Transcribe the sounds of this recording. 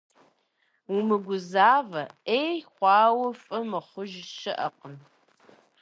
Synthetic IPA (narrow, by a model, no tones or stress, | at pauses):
umɨɡʷʊzaːvɐeːjχʷɑːwɐfʼɐmɨχʷʊʒʃɐʔɐqən